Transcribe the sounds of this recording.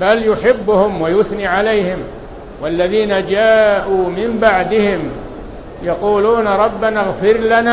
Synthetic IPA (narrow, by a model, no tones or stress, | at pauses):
baljʊħɪbːʊhʊmwajʊθniːʕalajhɪm | walːaðiːnad͡ʒaːʔuːmɪmbaʕd̪ɪhɪm | jɑquːluːnɾˤɑbːanaɣfɪɾlana